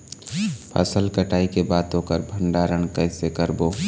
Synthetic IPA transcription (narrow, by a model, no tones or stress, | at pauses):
pʰə̰səlkəʈʰaːikebaːt̪õkəɾbʱə̃ɳɖaɾəɳkəɪsekəɾboː